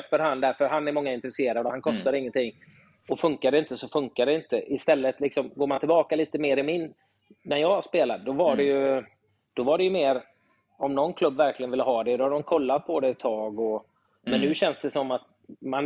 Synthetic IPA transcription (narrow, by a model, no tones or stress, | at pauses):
øːpəɾɦand̪æɾfœɾɦanːæɾmɔŋːaɪnt̪ɾɛseːɾad̪ɔhankʰɔst̪aɾɪŋːənt̪ʰɪŋː | ɔfɵŋkad̪ɛɪnt̪əsɔfɵŋkaɖ̪ɛɪnt̪əʔɪst̪ɛlːət̪lɪksɔmɡoːmant̪ʰɪlbɑːkaliːt̪əmeːɾɪmɪnː | æɾjɑːaʂspeːlad̪̚d̪ɔvaɖɛjɵ | d̪̥ɔvaɖɛjɵmeːɾ | ɔmnɔnkʰlɵbːvæɾklɪɡənvɪlːəɦɑːd̪ɛd̪ɔhad̪ɔmkʰɔlːat̪̚pʰɔd̪ɛɛt̪ʰːɑːɡɔ | mɛnːʉ̟ːɕɛnsd̪ɛsɔmːat̪̚ | man